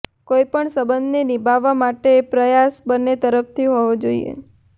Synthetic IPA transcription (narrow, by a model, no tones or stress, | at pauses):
koipəɳsəbənd̪enibʱaʋamaʈepɾəjasbənːet̪əɾəfʰt̪ʰiɦɔʋod͡ʒoḭḛ